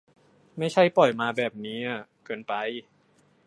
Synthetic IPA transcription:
ma˥˩jt͡ɕʰa˥˩jpɔ˨˩jmaː˧bɛː˨˩p̚niː˦˥ʔa˨˩kɤː˧npa˧j

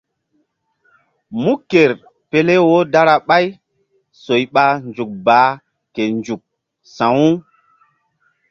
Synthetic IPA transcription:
mu˦ke˨ɾ | pe˦le˦wo˦da˦ɾa˨ɓa˦j | so˨jɓa˦nd͡ʒu˨k̚baː˨˦ | ke˨nd͡ʒu˨k̚ | sã˨wu˦

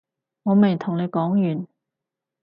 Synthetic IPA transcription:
ŋɔː˨˧me˨˩jt̪ʰʊ˨˩ŋne˨˧jkɔː˨˥ŋjyː˨˩n

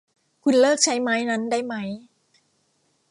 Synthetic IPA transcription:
kʰu˧nlɤː˥˩k̚t͡ɕʰa˦˥jmaː˦˥jna˦˥nda˥˩jma˦˥j

